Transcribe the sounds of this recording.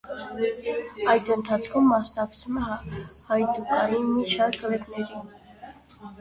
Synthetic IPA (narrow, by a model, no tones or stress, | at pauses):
ɑjd̪ənt̪ʰɑt͡sʰkʰumːɑsnɑkt͡sʰumɛhɑjt̪ukɑnimit͡ʃʰɑɾkʰəlɛknɛɾin